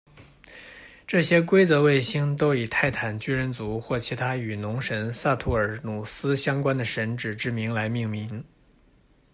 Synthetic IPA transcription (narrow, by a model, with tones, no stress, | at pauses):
ʈ͡ʂɤ˥˩ɕjɛ˥kwe˥ɪt͡sɤ˧˥we˥˩ɪɕi˥ŋt̪o˥ʊi˨˩t̪ʰa˥˩ɪt̪ʰa˨˩nt͡ɕy˥ɻə˧˥nt͡su˧˥xwɔ˥˩t͡ɕʰi˧˥t̪ʰa˥y˨˩nʊ˧˥ŋʂə˧˥nsa˥˧t̪ʰu˥˩ə˞˨˩nu˨˩sɹ̩˥ɕjɑ˥ŋkwa˥nd̪ə˨ʂə˧˥nʈ͡ʂɻ̩˨˩ʈ͡ʂɻ̩˥˩mi˧˥ŋla˧˥ɪmi˥˩ŋmi˧˥ŋ